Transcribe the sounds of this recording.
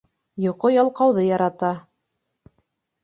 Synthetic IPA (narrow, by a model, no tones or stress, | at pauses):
jŏqojɑlˠqɑwðɤjɑɾɑt̪ɑ